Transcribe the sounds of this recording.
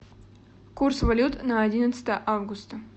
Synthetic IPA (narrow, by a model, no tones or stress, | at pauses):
kursvɐlʲut̪naɐdʲinət̪sə̥t̪əjəʔavɡʊst̪ə